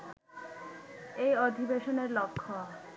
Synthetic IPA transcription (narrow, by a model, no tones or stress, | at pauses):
ejod̪ʱibeʃoneɾlokʰːo